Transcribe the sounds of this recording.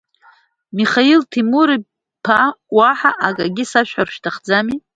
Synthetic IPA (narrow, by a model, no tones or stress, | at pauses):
miχailtʰimuɾi | pʰawaħaʔaɡʼaɡʲisaʃᶣħarʃᶣtʰaχd͡zami